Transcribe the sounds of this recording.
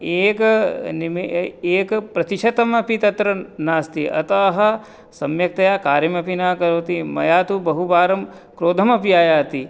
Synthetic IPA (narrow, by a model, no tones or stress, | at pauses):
eːknmeːkpɾɐt̪iʃɐt̪ɐmɐpit̪ɐt̪ɾɐnaːst̪iʔɐ̰t̪aːɦɐ̆ | sɐmjɐk̚t̪ɐjaːkaːɾjɐmɐpinaːkɐɾoːt̪imɐ̰jaːt̪ubɐɦubaːɾɐm | kɾoːd̪ʱɐmɐpijaːjaːt̪i